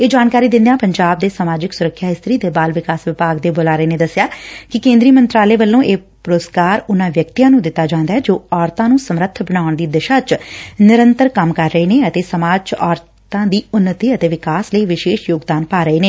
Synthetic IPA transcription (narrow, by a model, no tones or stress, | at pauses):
eːd͡ʒaːnkaːɾiːd̪ɪ̃nd̪ejaːpəɲd͡ʒaːb̚d̪eːsəmaːd͡ʒɪksʊɾəkʰːjaːɦɪst̪ɾiːd̪eːbaːlʋɪkaːsʋɪpaːɡd̪eːbolaːɾəeːneːd̪əsjaːkɪkẽːnd̪ɾiːmənt̪ɾaːleːʋəlːõːʔeː | pɾoːskaːɾʊnãːʋjək̚t̪ijãːnũːd̪ɪt̪ːaːd͡ʒãːnd̪aːɛːd͡ʒoːɔːɾt̪ãːnũːsəmɾət̪ʰbəɽ̃aːʊɳd̪iːd̪ɪʃaːt͡ʃnɪɾənt̪əɾkəmkəɾːəeːneːət̪eːsəmaːd͡ʒt͡ʃɔːɾ | t̪ãːd̪iːʊnːət̪iːət̪eːʋɪkaːsləiːʋɪʃeːʃjoːɡd̪aːnpaːɾəeːneː